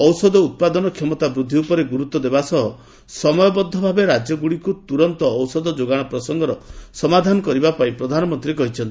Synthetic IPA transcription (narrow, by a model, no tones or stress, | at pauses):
ɔwsɔd̪ɔut̪̚pad̪ɔnɔkʰjɔmɔt̪abɾud̪ʱːiupɔɾeɡuɾut̪ːɔd̪ebasɔɦɔ | sɔmɔjɔbɔd̪ʱːɔbʱabeɾad͡ʒjɔɡuɽikut̪uɾɔnt̪ɔːwsɔd̪ɔd͡ʒoɡaɽ̃ɔpɾɔsɔŋɡɔɾɔsɔmad̪ʱanɔkɔɾibapaĩpɾɔd̪ʱanɔmɔnt̪ɾiekɔɦit͡ʃʰɔnt̪i